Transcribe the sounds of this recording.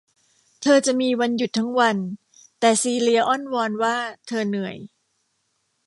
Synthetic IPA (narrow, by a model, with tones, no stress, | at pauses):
t̪ʰɤː˧t͡ɕa˨˩ʔmiː˧wa˧nju˨˩t̪ʰːa˦˥ŋwa˧n | t̪ɛː˨˩siː˧li˧ɐʔɔ˥˩nwɔː˧nwaː˥˩t̪ʰɤː˧nɯ˨˩˦ə˦j